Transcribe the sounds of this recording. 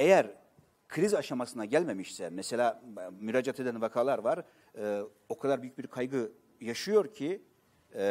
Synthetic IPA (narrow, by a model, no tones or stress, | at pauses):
e̞jæɾ | kʰɾizaʃamasɯnaɟælʲme̞miʃsɛmɛse̞lʲaːmyɾaːd͡ʒat̪ʰe̞d̪ænvakʰaːlˠaɾvaɾ | ɯː | o̞kʰad̪aɾbyjyc̚biɾkʰajɡɯ | jaʃɯjo̞ɾcʰi